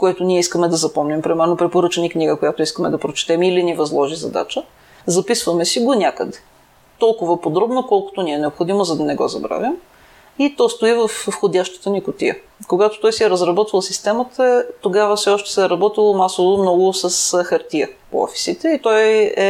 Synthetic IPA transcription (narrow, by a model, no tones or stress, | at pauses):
koɛt̪ʊniɛiskəmɛd̪ɐzɐpɔmnɛmpɾimɛɾnopɾɛpoɾɤt͡ʃɛnikniɡəkojat̪ʊiskəmɛd̪ɐpɾot͡ʃɛ̥t̪ɛmilinivɐzlˠɔʒizɐ̰d̪a̰t͡ʃə | zɐpisvəmɛsiɡonʲjakəd̪ɛ | t̪ɔlˠkʊvəpod̪ɾɔbnokɔlˠkʊ̥t̪oniɛnɛopxod̪imozɐd̪ɐnɛɡɔ̰zɐ̰bɾa̰vʲjəm | it̪ɔst̪oivəffxod̪ʲaʃt̪ə̥t̪ənikʊt̪ḭjə̰ | koɡat̪o̥t̪ɔjsiɛɾəzɾɐbɔt̪vəlˠsist̪ɛmət̪ət̪oɡavəfsɛɔʃt̪ɛ̥sɛɾɐbɔt̪ilˠomasovomnɔɡʊsɐsxɐɾt̪iəpo̰ɔ̰fi̥sit̪ɛit̪ɔjɛ